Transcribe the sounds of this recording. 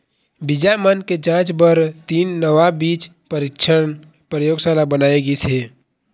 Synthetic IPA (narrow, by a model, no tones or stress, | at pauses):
bɪd͡ʒamənked͡ʒãːt͡ʃbəɾt̪iːnːəʋabiːt͡ʃ | pɾɪkt͡ʃʰə | pɾəjoːɡsalabənaːeɡiseː